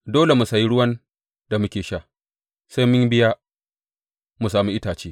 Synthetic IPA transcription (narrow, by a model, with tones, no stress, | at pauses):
doː˦le˨mu˨sa˨ji˦ɽʊ˦wɐ˦n | da˨mʊ˦kʲeː˨ʃaː˦˨ | sa˦jmʊ˦ɲbɪ˦jaː˦ | mu˨saː˨mu˦ʔɪ˦taː˨t͡ʃeː˦